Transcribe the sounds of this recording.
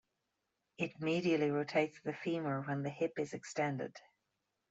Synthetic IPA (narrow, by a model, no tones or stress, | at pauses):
ɪtɪmiɾiəʔliɹoʊtʰeɪtsðəfimə˞wə̃nðəhɪpɪzɛkstɛ̃ndɪ̰d̥